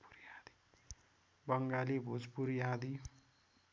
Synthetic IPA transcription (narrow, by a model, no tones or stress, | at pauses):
puɾjad̪i̥ | bʌŋɡalibʱud͡zpuɾjad̪i